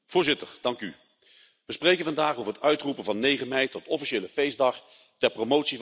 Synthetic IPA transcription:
v̥ʊːɹzɪtəɹd̥ɑŋky | ʋəsprejkənvɑndaːχowvəɹɦətœɥtrupənvɑnːejχəmɛjtɔtɔfiʃeːləfejzdɑχ | tɛɹpromowtsi

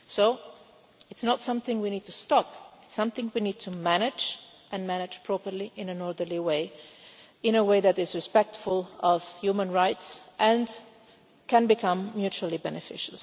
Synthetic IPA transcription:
soʊ | ɨtsnətsʌ̃mθɪ̃ŋwinid̚tustɑpɪtsʌ̃mθɪ̃ŋwinid̚tʰumænɪd͡ʒ | ɨ̃nmænɪ̥d͡ʒ̥pʰɹ̥ɔpə˞liʔɪ̃nɨ̃nɔɹd̪ə˞liweɪ | ɪ̃nəweɪðɨɾɪzɹɨspɛk̚tfʊlˠʌv̥hjumə̃nɹaɪtsʔɨ̃n | kʰɨ̃nbɨkʰʌ̃mːjʉt͡ʃuəlˠibɛnɨfɪ̰ʃəl̩ˠ

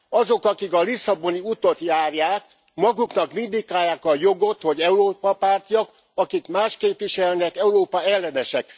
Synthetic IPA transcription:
ɒzo̞kɒkikɒlisːɒbo̞niut̪o̞t̪jaːrjaːk | mɒɡuknɒkmind̪ikːaːjaːkɒjo̞ɡo̞t̪ho̞ɟɛuɾoːpɒpaːrt̪ijɒk | ɒkikmaːʃkeːpʋiʃɛlnɛkɛuɾoːpɒɛlːɛnɛʃɛk

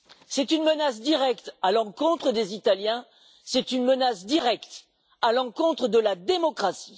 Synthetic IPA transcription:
sɛt̪ynmənasd̪iʁɛkt̪alɑ̃kɔ̃t̪χəd̪ezit̪aljɛ̃ | sɛt̪ynmənasd̪iʁɛkt̪ | alɑ̃kɔ̃t̪χəd̪əlad̪emɔkχasi̥

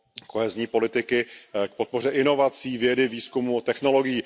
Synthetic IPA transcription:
koɦɛzɲiːpo̞lɪt̪ɪkɪk̚pot̪̚po̞r̝ɛʔɪno̞vat͡siːvjɛdɪviːskumut̪ɛxno̞lo̞ɡɪjiː

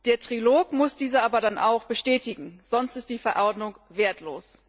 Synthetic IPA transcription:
d̥eːɐtʁ̥iloːkmʊsd̥iːzɐaːbɐdanʔa̰ʊxb̥əʃtɛːtɪɡŋ̩z̥ɔnstɪst̚d̥iːfɛɐʔɔɐdnʊŋveːɐtʰlo̰ːs

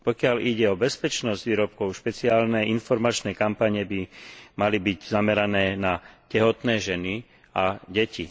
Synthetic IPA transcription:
pɔkɪaliɟɛɔbɛspɛt͡ʃnɔzɟʋiːɾɔp̚kɔʊʃpɛt͡siaːlnɛinfɔɾmat͡ʃnɛkampaɲɛbimalibiɟzamɛɾanɛːnacɛɦɔt̪nɛːʒɛni | aɟɛci

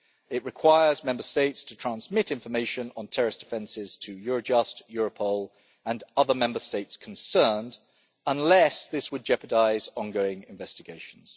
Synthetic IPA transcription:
ɪʔɹɨkʰw̥aɪəzmɛ̃mbəsteɪtstʰətʰɹ̥æ̃nzmɪtɪ̃ɱfəmeɪʃə̃nə̃ntʰɛɹɪsd̥ɪfɛ̃nsɪz̥tʰəjɔɹəd͡ʒʌstjɔɹəpʰɔʊlˠ | ə̃nʌðəmɛ̃mbəsteɪtskʰə̃n̩sɜːnd | ə̃nlɛsðɪswəd̚d͡ʒɛpədaɪzɒ̃nɡəʊɪ̃ŋɪ̃ɱvɛstɪɡeɪʃə̃n̩z̥

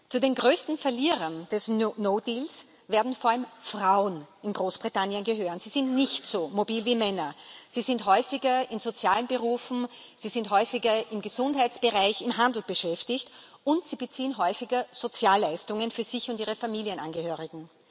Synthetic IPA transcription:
t͡sudeːnɡʁøːstn̩fɛɐliːʁɐnd̥ɛsonoːdiːls | veːɐdn̩foːɐalmfʁaʊnɪnɡʁoːsb̥ʁitanjənɡəɦøːʁənz̥iːz̥ɪntnɪçtsoːmobiːlviːmɛnɐz̥iːzɪntɦɔʏfɪɡɐɪnz̥ot͡sjaːlənbəʁuːfn̩ | z̥iːzɪntɦɔʏfɪɡɐɪmɡəzʊnthaɪtt͡sb̥əʁaɪçɪmɦãndˡl̩b̥əʃɛftɪçt | ʊntz̥iːbət͡siːənɦɔʏfɪɡɐz̥ot͡sjaːlːæɪstʊŋənfyːɐz̥ɪçʊntiːʁ̞əfamiːlijənʔa̰nɡəhøːʁɪɡŋ̩

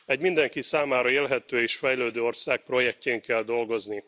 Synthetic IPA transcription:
ɛɟmind̪ɛŋkisaːmaːɾɒeːlɦɛt̪øːeːʃfɛjløːd̪øːo̞rsaːk̚pro̞jɛk̚ceːŋkɛld̪o̞lɡo̞zni

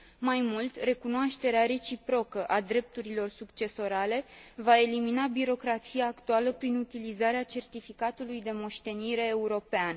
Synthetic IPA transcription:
majmult̪re̞kunoaʃt̪e̞ɾeaɾe̞t͡ʃipɾo̞kəʔad̪ɾe̞p̚t̪uɾilo̞rsukt͡ʃe̞so̞ɾale̞vae̞liminabiɾo̞kɾat̪sijaːkt̪ualəpɾinut̪ilizaɾeat͡ʃe̞rt̪ifikat̪ulujd̪e̞mo̞ʃt̪e̞niɾe̞ːuɾo̞pean

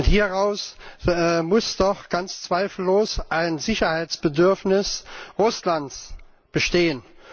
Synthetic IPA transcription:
ʊnthiːɐʁaʊsɛmʊsd̥ɔχɡ̥ant͡st͡sv̥aɪfl̩oːsʔaɪnzɪçɐhaɪt͡sb̥ədʏɐfnɪsʁʊslant͡s | b̥əʃteːən

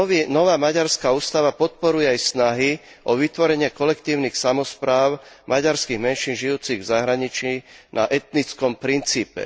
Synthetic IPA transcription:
inɔʋaːmaɟaɾskauːst̪aʋapɔt̪̚pɔɾujɛajsnaɦi | ʔɔʋit̪ʋɔɾɛɲɪɛkɔlɛkt̪iːʊnixsamɔspɾaːʊmaɟaɾskiɣmɛnʃiːnʒijuːt͡siɣvzaɦɾaɲit͡ʃinʔa̰ʔɛt̪nit͡skɔmpɾint͡siːpɛ̰

